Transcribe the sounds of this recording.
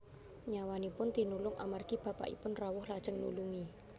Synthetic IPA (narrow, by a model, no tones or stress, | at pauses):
ɲawanipʊnt̪inulʊŋʔa̰marɡ̥ib̥a̤pa̰ʔḭpʊnrawʊhlad̥ʒ̥ə̤ŋnṵluŋi